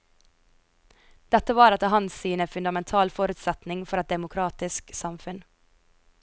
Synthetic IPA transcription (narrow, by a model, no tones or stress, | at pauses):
d̪̥ɛt̪əʋɑːɾɑt̪̚d̪eɦɑnsiːnəfʉnd̪ɑmɛnt̪ʰɑːlfɔːɾʉːt̪sɛt̪nɪŋfɔɾɛt̪̚d̪ɛmʊkʰɾɑːt̪ɪsksɑmfʉn